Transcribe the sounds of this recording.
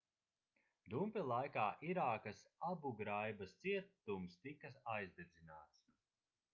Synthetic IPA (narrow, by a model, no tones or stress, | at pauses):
d̪umpʲilˠajkaːʔiɾaːkɐsabuɡɾajbɐst̪siɛt̪ːumst̪ikɐsajzd̪ed̪zinaːt̪s